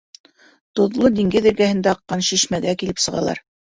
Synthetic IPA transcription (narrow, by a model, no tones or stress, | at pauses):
t̪ŏðlˠɤd̪iŋɡɘðɘ̆ɾɡæhɘ̆nd̪æɑqːɑnʃiʃmæɡækilɘpsɤ̆ʁɑ̰lˠɑ̰ɾ